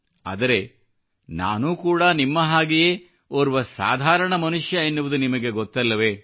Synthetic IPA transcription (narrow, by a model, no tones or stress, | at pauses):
a̰ːd̪ɐɾe̞ | na̰ːnuːkuːɽanimːɐɦaːɡijeː | oɾuʋɐsa̰ːd̪ʱaːɾɐɳɐmɐnuʂjɐenːuʋud̪unimɐɡe̞ɡot̪ːɐlːɐʋe̞ː